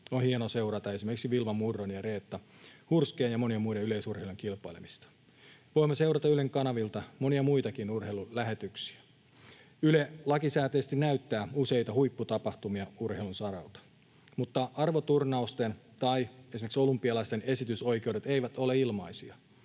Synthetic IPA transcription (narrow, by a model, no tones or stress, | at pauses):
onhienose̞uwɾɑt̪ɑe̞simerksiʋilʋɑmurːonjɑre̞ːt̪ːɑhurskeːnjɑmo̞niemuiɾeyle̞isurheiluŋkilpˑɑilḛmist̪ɑ̥ | ʋo̞imːose̞uɾɑt̪ɑyleŋkɑnɑʋilt̪ɑmo̞niɑmuit̪ɑkinurhejlulæɦe̞t̪yksiæ | ylelɑkisæːt̪eːst̪inæyt̪ːæːuse̞ijt̪ɑhujpːut̪ɑpɑht̪umiɑurheilunsɑɾɑ̰lt̪ɑ̥ | mut̪ːɑʔɑrʋot̪urnɑust̪ent̪ɑiesimekso̞lumpːˑiɑlɑist̪e̞ne̞sit̪yso̞jke̞wde̞t̪eiʋæt̪o̞le̞ilmɑisiɑ